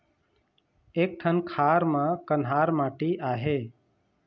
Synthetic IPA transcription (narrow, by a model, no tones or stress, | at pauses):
eːk̚ʈʰənkʰaːɾmãːkənɦaːɾmãːʈiːʔaːɦeː